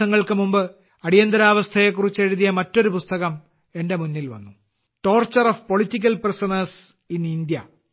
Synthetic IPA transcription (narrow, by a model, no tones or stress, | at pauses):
ɐŋːɐɭkɨmumbɨ | ɐɽijɐnd̪ɐɾaːʋɐst̪ʰɐjek̬ːurit͡ɕːe̞ɻuðijɐmɐtːo̞ɾupust̪ɐɣɐm | e̞nde̞munːilʋɐ̰nːu | ʈo̞ːrt͡ɕːɐrofpo̞ɭitːik̬ʲːɐlprɐsɐnɐs | inind̪jɐ